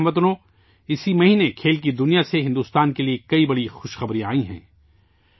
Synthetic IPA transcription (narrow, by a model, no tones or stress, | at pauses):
mɐt̪̬ʊnõ | ɪsimɐɦiːnekʰeːlk̬id̪ʊnijaseɦɪ̃nd̪uːst̪aːnkeliekɐibɐɽixʊʃxɐbɾĩa̰ːĩɦɛ̰̃ː